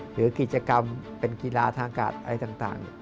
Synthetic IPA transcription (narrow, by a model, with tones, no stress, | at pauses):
ɾɯː˩˦ki˨˩t͡ɕa˧ka˧mpe˧nki˧laː˧t̪ʰaː˧ŋka̰ː˨˩t̪̚ʔa˧ɾa˧jt̪aː˨˩ŋt̪a̰ː˨˩ŋ